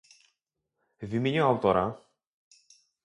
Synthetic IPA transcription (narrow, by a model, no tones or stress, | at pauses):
vʲimʲeɲuawt̪ɔɾa̰